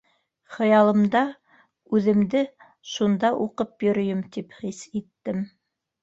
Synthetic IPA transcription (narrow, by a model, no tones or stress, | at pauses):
χɤ̆jɑlˠɤ̆md̪ɑ | ʉðɘ̆md̪ɘ | ʃund̪ɑʔuqɤpjɵ̆ɾɵ̆jɘmt̪ipχisit̪ːɘm